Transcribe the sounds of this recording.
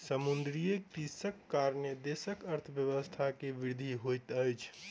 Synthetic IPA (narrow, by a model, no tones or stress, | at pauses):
səmund̪ɾijekɾisəkːaɾnəd̪esəkəɾt̪ʰəbjəʋəst̪ʰakeʋiɾd̪ʱiɦojt̪əjt͡ʃʰ